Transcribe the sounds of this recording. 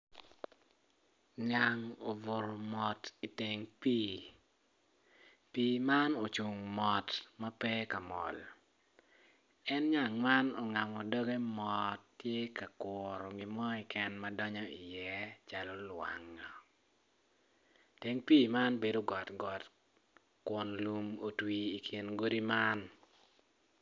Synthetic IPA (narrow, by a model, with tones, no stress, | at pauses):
ɲa˨ŋo˨vo˨ɾɔ˨mɔ˨ti˨te˨ŋpiː˦ | piː˦ma˦no˨t͡ʃu˨ŋmɔ˨tma˦pɛ˦ka˨mɔ̰˨l | ɛ˦nɲa˨ŋma˦nɔ˨ŋa˨mɔ˨dɔ˦ɡe˦mɔ˨tːje˦ka˨kɔɾɔ˨ɡi˨mɔ˦ɛ˨kɛ˦nma˦dɔ˦ɲɔ˦i˨jɛ˦t͡ʃa˨lɔ˦lwa̰˨ŋːɔ˨ | te˦ŋpiː˦ma˦nbe˦do˦ɡɔ˨tɡɔ˨t | kwɔ˨nlu˨mo˨twiː˨kʰi˨nɡo˦di˦ma˦n